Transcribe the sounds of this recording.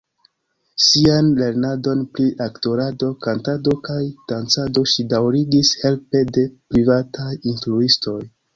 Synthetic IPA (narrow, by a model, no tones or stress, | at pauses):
sianle̞ɾnado̞npliʔakto̞ɾado̞kantado̞kajd̥ant͡sado̞ʃidawɾiɡishe̞lpe̞de̞pɾivatʰajinfɾuisto̞j